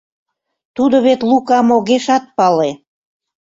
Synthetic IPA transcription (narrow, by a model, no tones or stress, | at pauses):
t̪ud̪oβet̪lukɑmoɣeʃɑt̪̚pɑle